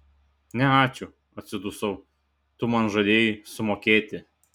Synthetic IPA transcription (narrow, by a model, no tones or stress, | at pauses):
nʲɛɑːt͡ʃʲʊ | ɐt̪ʲsʲɪd̪ʊsɔʊ | t̪ʊmɐnʒɐd̪ʲeːjɪsʊmoːkʲeːt̪ʲɪ